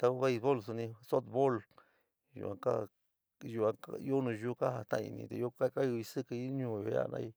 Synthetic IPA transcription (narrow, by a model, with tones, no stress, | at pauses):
t̪a˧u˧˦βe˦˧i˧βo˦ls̬u˧nĩ˧so˦t̪βo˦l | jṵ˨ʔã˧ka˦ | ju˧ã˧ajo˦nũ˧ʒu˦ka˦ha˧t̪ã̰˦˧ḭ˧nḭ̃˧t̪e˧jo˦ka˦ka˦ju˧i˧sɨ˦kɨ˧˦ɲũː˧˨jo˧˨ja̰˦˨˧nã̰˧˦i˧